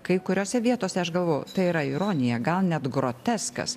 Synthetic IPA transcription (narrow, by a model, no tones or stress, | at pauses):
kɐɪkʊɾʲoːsʲɛʋʲiɛt̪oːsʲɛɐʃɡɐlˠʋoːjʊ̰t̪ɐɪiɾɐɪɾoːnʲɪjɛɡɐlˠnʲɛt̪ɡɾoːt̪ʲɛskɐ̰s